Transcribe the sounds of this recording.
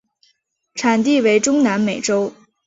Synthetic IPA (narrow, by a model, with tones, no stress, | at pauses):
ʈ͡ʂʰa˨˩nt̪̬i˥˩we˧˥ɪʈ͡ʂʊ˥ŋna˧˥nme˨˩ɪʈ͡ʂo˥ʊ